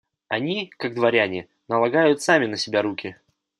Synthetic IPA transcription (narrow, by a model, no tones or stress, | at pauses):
ɐnʲikaɡ̚d̪vɐɾʲanʲɪ | nəlˠɐɡajʊt̪samʲɪnəsʲɪbʲaɾukʲɪ